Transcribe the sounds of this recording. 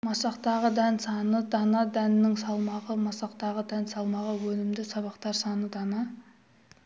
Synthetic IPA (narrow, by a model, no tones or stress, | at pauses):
mɑsɑqt̪ɑʁəd̪ænsɑnəd̪ɑnɑd̪ænɪnɪŋsɑlˠmɑʁəmɑsɑqt̪ɑʁəd̪ænsɑlˠmɑʁəwɵlɪmd̪ɪsɑβɑqt̪ɑɾsɑnəd̪ɑnɑ